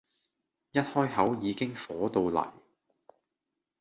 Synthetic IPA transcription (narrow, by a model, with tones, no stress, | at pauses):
jɐ˥t̚hɔː˥jɦɐ˨˥wjiː˨˧kɪ˥ŋfɔː˨˥t̪o˨˧wlɐ̰˨˩j